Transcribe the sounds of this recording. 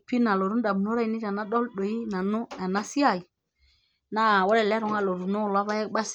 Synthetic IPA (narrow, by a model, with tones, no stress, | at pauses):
pi˦na˨lo˨ɾu˦n˦da˨m˨no˦ɾa˦i˦ni˦ta˨na˦ɗo˦lɗo˨i˦na˨nu˦a˨na˦si˦a˦˨i˨ | na˦˨wo˦le˦˨le˦ɾu˨ŋa˦lo˨ɾu˨no˦˨la˦va˦je˦kba˦s